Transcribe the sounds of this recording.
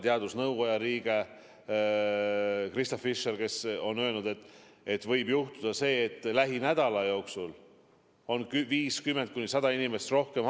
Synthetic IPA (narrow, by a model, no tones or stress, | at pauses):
t̪eɑd̪̥usnɤwɡo̞jɑɾiːɡ̥e̞ | krist̪ofːiʃːerke̞so̞nːølnud̪̥e̞t̪ːˑet̪ːvɤjbjuht̪ud̪̥ɑse̞ːt̪ːˑlæɦinæd̪̥ɑlɑjo̞ːksul | o̞nviːskymːe̞nt̪̚kunisɑd̪̥ɑinime̞st̪ro̞hkem